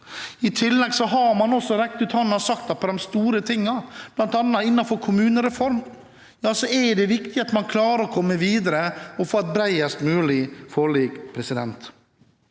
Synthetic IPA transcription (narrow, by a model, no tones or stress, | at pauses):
ɪt̪ʰɪlːɛɡsɔɦɑɾmɑnɔsɔɾɛk̚t̪ʉːt̪hɑnːɑsɑk̚t̪ɑt̪̚pʰːɔd̪ɛmst̪uːɾət̪ʰɪŋːɑb̥lɑnt̪ɑnːɑɪnːɑfɔɾkʰʊmʉːnəɾɛfɔɾm | jɑːsɔɛɖɛʋɪkt̪ɪɑt̪mɑnkʰlɑːɾəɾɔkʰɔmːəʋiːd̪əɾəɔfoːɛt̪̚bɾæɪəst̪mʉːlɪfɔɭiːɡpʰɾɛsɪd̪ɛnt̪